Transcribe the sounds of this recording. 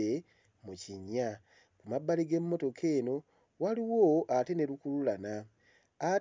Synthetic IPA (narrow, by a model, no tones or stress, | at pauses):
e | muciɲːa | kumabːaliɡe̞mːo̞to̞kʰe̞ːno̞ | waliwo̞ʔate̞ne̞ɾukululana | a